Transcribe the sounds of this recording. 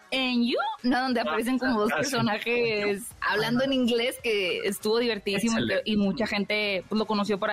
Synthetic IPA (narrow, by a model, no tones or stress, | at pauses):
enjunoðo̞nd̪e̞apaɾe̞s̬e̞ŋko̞moðo̞spe̞ɾso̞naxe̞sa̰βland̪oeniŋɡle̞ske̞est̪uβo̞ðiβe̞ɾt̪iisimoit̪eʔimut͡ʃaxe̞nt̪e̞pweslo̞ko̞no̞sjo̞poɾa